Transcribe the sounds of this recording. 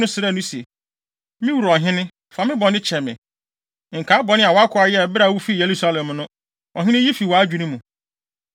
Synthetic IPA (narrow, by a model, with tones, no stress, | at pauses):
ʊ̃˦sɪ˨ɾɛ˦˨nʊ̃˦se˨ | mɪ̃˦wu˨ɾɔ˨ɦɪ̃˦nɪ̃˦ | fa˨mɪ̃˦bɔ˨nɪ̃˦t͡ɕʰɛ˨mɪ̰̃˨ | ŋ̩˨kʰa˨˦bɔ˨nɪ̃˦a˨wɔ˨˦a˦kʰʊ˦a˨jɛ˦ɛ˨bɪ˦ɾa˨wu˦fi˦˨je˨ɾu˦sa˦lɛ˨mnʊ̃˦ | ɔ˨ɦɪ̃˦nɪ̃˦ji˦fi˨wɔ˨a˦d͡ʑᶣu˨nʊ̃˦mũ˨